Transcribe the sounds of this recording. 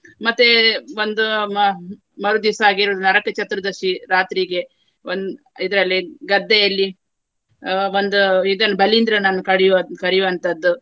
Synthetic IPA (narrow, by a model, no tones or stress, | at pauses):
mɐt̪ːeʋond̪u | mɐɾud̪isaːɡiɾuːd̪unɐɾɐkɐt͡ʃɐt̪ːɾɐd̪ɐʃiɾaːt̪ɾiɡe̞ | ond̪ | id̪ɐɾɐlːiɡɐd̪ːɛjɐlːi | ond̪uid̪ɐnːubɐlind̪ɾɐnɐnːukɐɽijɐkɐɾijuʋɐnt̪ɐd̪ːu